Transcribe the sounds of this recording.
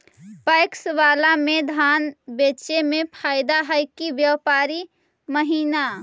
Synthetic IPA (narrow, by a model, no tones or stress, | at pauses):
pəjksʋalamed̪ʱanbet͡ʃemepʰaɪd̪aɦəjkiʋjəpaɾi | məɦiːna